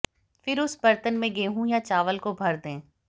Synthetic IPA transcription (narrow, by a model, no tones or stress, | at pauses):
fɪɾʊsbɐɾt̪ənmẽɡeːɦũjat͡ʃaːʋəlkobʱɐɾd̪ẽː